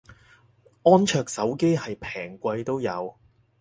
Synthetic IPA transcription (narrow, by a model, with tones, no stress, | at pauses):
ɔː˥nt͡ʃʰœː˧k̚sɐ˨˥wke˥jhɐ˨jpʰɛː˨˩ŋkʷɐ˧jt̪o˥wjɐ̰˨˧w